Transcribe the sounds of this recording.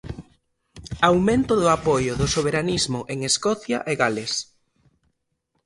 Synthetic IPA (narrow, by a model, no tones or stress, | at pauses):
awmẽnt̪ʊðʊapɔjʊðʊsoβ̞eɾanizmʊʔeŋeskɔθja̰ʔeɣales